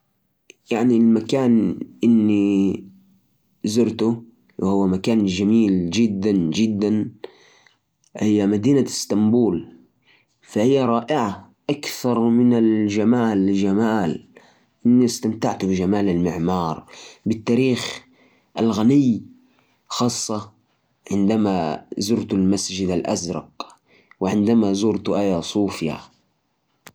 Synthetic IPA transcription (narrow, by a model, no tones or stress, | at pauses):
jaʕnilmakaːnʔɪnːi | zʊɾt̪ʊ | wɪhʊwːamakaːnd͡ʒamiːld͡ʒɪd̪ːand͡ʒɪd̪ːan | hɪjːamad̪iːnast̪ambuːl | fahɪjːaɾˤɑːʔɪʕaʔakθɑɾˤmɪnald͡ʒamaːlːɪʒamaːl | ʔɪnːist̪amt̪aʕt̪ubɪʒamaːlalmɪʕmɑːɾˤbɪt̪ːaːɾiːx | ʔalɣanɪj | xɑːsˤːɑ | ʕɪnd̪amazʊɾt̪ʊlmasd͡ʒɪd̪alʔa̰zɾˤɑ̰q | wɪʕɪnd̪amazuːɾt̪ʔajasˤuːfja̰